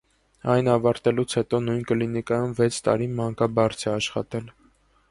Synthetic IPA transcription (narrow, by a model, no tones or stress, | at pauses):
ɑjnɑvɑɾt̪ɛlut͡sʰhɛt̪ɔnujnkəlinikɑjumvɛt͡sʰt̪ɑ̰ɾimɑŋkɑbɑɾt͡sʰɛɑʃχɑ̰t̪ɛl